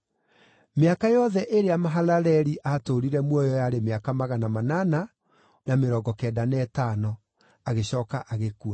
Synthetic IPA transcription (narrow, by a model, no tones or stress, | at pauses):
meakajɔðɛʔeɾeamaɦalaɾɛɾiʔatoɾiɾɛmwɔjɔjaɾemeakamaɣanamanana | nameɾɔɡɔkɛːdanɛːtanɔ | aɣeɕɔːkaʔaɣekua